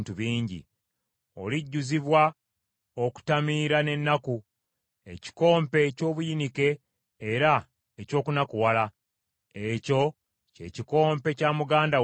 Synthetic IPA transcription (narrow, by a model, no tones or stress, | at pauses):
ntuβiːɲɟḭ | o̞̰liɟːuziβwa | oku̥tamiːɾane̞nːaku | e̞̰ci̥ko̞ːmpe̞co̞ːβujinike̞ː | ɾa | eco̞ːkunakuwala | eco̞ | cḛciko̞ːmpe̞camuɡaːnda